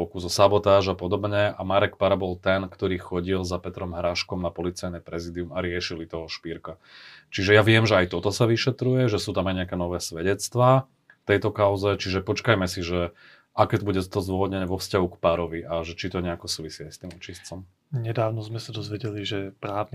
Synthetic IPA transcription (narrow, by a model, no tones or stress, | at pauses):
ɔkuzɔsabɔt̪aːʒapɔd̪ɔbɲɛamaɾɛkpaɾabɔlt̪ɛnkt̪ɔɾiːxɔɟilzapɛt̪ɾɔmɦɾaʃkɔmnapɔlit͡sajnɛpɾɛzid̪iumaɾɪɛʃilit̪ɔɦɔʃpiɾka | t͡ʃiʒɛjaʋɪɛmʒɛajt̪ɔt̪ɔsaʋiʃɛt̪ɾujɛʒɛsuːt̪amajɲɛakɛːnɔʋɛːsʋɛɟɛt͡st̪ʋaː | ft̪ɛjt̪ɔkaʊzɛt͡ʃiʒɛpɔt͡ʃkajmɛsiʒɛ | ʔakɛt̪buɟɛt̪ɔt̪ɔzd̪ʊɔʋɔd̪ɲɛɲɛʋɔfscaɦukpaɾɔʋiʔaʒɛt͡ʃit̪ɔɲɛakɔsuːʋisiajst̪iːmut͡ʃist͡sɔm | ɲɛd̪aːʊnɔzmɛsad̪ɔzʋɛɟɛliʒɛpɾaːʊni